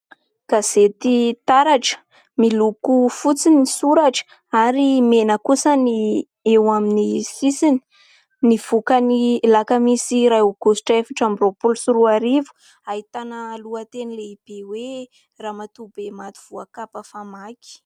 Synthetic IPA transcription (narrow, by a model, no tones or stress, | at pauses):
ɡ̥az̥et̪it̪aɾaʈ͡ʂə̥ | milukufut͡sinisuɾaʈ͡ʂə̥ | aɾimenəkusəni | ewaminisisini̥ | niv̥ukənilakəmisiɾauɡ̥osi̥ʈ͡ʂəefaʈ͡ʂambropulusuɾuaɾivu̥ | ait̪anəluət̪enileib̥ewe | raːmat̪ubemat̪u̥v̥uakapəfamakʲi̥